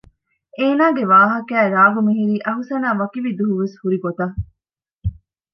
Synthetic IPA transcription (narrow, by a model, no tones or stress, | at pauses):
eːnaːɡeʋaːɦɐkæːɾaːɡumeɦiɾiːʔɐɦusɐnaːʋɐkiʋid̪uɦuʋeshuɾiɡot̪ɐ